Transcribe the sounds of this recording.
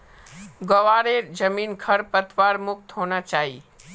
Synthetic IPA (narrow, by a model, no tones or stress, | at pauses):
ɡɔʋaːɾed͡ʒəmiːnkʰəɾpət̪ʋaːɾmʊk̚t̪ɦoːñat͡ʃaːɦḭː